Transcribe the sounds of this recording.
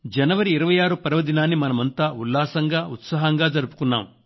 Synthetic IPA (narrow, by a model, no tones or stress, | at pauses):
d͡ʒɐnɐʋɐɾiːɾɐʋɐjaːɾupɐɾɐʋɐd̪inaːnːimɐnɐmɐnt̪aːulːaːsɐŋɡaːut̪sɐːɦɐŋɡaːd͡ʒɐɾupu̥kunːa̰ːm